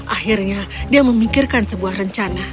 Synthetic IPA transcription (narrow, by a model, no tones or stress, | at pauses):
ʔahirɲadiaməmikɪrkansəbuahrəɲt͡ʃana